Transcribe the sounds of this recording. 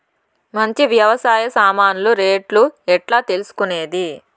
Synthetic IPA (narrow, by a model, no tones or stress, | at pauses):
mɐɲt͡ʃiʋjɐʋɐsaːjɐsaːmaːnuluɾeːʈluɛʈlaːt̪e̞lusu̥kune̞ːd̪i